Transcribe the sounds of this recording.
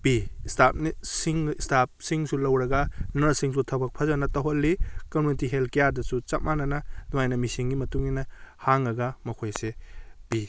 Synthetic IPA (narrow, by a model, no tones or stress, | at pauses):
b̥istap̚nisiŋstʰap̚siŋsulɐwɾɐɡɐnɐɾsiŋsutʰɐbɐk̚pʰɐzɐnɐtɐɦolːikɐmjunitiɦelkijadɐsut͡ʃɐp̚manɐnɐnuajnɐmisiŋɡimɐtuŋːinɐhaŋɾɐɡɐmɐkʰojseb̥i